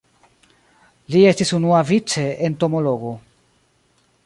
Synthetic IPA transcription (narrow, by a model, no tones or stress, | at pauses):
lie̞stisunuavit͡se̞ent̪o̞mo̞lo̞ɡo